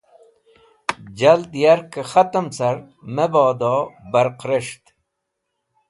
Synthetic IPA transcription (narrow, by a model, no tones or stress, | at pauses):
d͡ʑɐld̪jɐɾkəxɐt̪əmt͡sʰɐɾ | mebaːd̪oːbɐɾqɾeʂt̪